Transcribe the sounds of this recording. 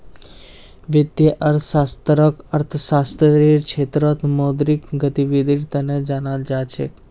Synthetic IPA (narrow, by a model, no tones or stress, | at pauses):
ʋɪd̪jəʔəɾt̪ʰsast̪əɾɔkəɾt̪ʰsast̪ʰəɾiɾkt͡ʃʰet̪ɾɔt̪mɔd̪ɾikɡət̪iʋid̪ʱiɾt̪əned͡ʒanald͡ʒat͡ʃʰe